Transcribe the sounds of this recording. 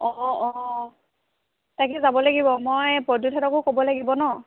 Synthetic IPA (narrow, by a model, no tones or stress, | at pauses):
ɔɔ | takɛzabɔlaɡibɔmojpɹɔdutʰɛtɔkʊkobɔlaɡibɔnɔ